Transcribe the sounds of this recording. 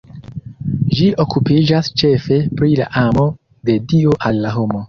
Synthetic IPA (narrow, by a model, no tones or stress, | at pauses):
ʒiʔo̞kupid͡ʒast͡ʃe̞fe̞pɾila̰ʔamo̞ | de̞dioʔalːaɦo̞mo̞